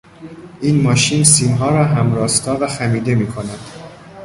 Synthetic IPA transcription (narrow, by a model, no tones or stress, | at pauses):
ʔiːnmɒːʃiːnsiːmɦɒːɾɒːɦæmɾɒːst̪ʰɒːvæxæmiːd̪e̞miːkʰo̞næd̪̥